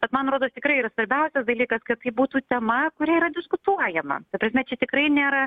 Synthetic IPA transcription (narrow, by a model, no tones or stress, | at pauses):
b̥ʲɛt̪mɐnɐt̪ɾoːd̪oːt̪ʲɪkɾɐɪiːɾɐsʋɐɾʲbʲɛʊsʲɛsd̪ɐlʲiːkɐskɐɪt̪ɐɪbuːt̪uːt̪ʲɛmɐkʊɾʲiɛiːɾɐd̪ʲɪskʊt̪uɔjɛmɐ̰kɐpɾʲɐsʲmʲɛt͡ʃʲɛt̪ʲɪkɾɐɪnʲeːɾɐ